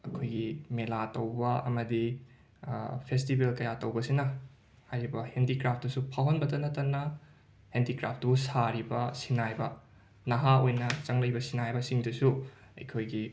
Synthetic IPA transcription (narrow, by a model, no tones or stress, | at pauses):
ɐkʰojɡimelatowbɐɐ̰mɐdi | pʰestibelkɐjatɐwbɐsinɐ | hajɾibɐhendikɾap̚ʰdɐsupʰawɦɐnbɐdɐnɐtɐnːɐ | hendikɾap̚ʰdusaɾibɐsinajbɐ | nɐɦaojnɐt͡ʃɐŋlɐjbɐsinajbɐsiŋdɐsuɐ̰jkʰojɡi